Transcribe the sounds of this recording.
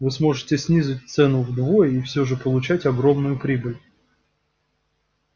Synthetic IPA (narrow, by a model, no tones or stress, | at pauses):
vɨsmo̞ʐɨtʲɪsʲnʲizʊt̚ʲt̪sɛnʊvd̪vojəifsʲɵʐɨpəlˠʊt͡ɕætʲɐɡɾomnʊjʊpɾʲibɨlʲ